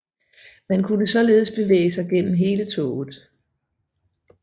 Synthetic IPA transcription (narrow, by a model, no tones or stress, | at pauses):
mænkʰunəsɒ̽le̝ːð̞̩ˠsb̥e̝ʋḛːɪəsɑ̈ɪɡ̥en̰m̩ɦe̝ːlət͡sʰɔːð̩ˠ